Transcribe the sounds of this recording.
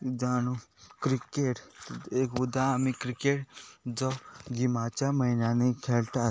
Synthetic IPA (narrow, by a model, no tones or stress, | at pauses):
d͡zañukɾikeʈekud̪ʱãːmikɾikeʈd͡zɔwɡimat͡ɕjaməinjanekʰelt̪a